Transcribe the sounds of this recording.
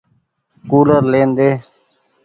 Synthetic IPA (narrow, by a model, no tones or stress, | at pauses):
kuːləɾleːnd̪eː